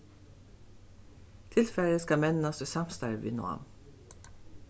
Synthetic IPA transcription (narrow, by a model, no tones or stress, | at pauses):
t̪ʰɪlfæɾəskɑmɛnnɑsəsɑmst̪ɑɹʋɪ̰ːnʊ̰ɑ̰m